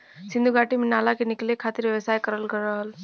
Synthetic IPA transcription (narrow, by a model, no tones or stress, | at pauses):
sĩnd̪uɡʱaʈiminalakeniklekʰat̪iɾʋjəʋəsaːjkəɾəlkəɾəɦl